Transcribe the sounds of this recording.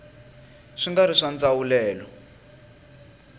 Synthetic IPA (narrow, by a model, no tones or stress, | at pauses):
ʂiŋɡaɾiʂand͡zawulɛːlɔ